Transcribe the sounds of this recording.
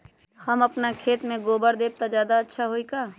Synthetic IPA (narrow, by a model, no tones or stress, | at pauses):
hɐmɐpnakʰeːt̪mẽɡoːbəɾd̪eːb̚t̪azjaːd̪aɐtːʃʰaɦoikaː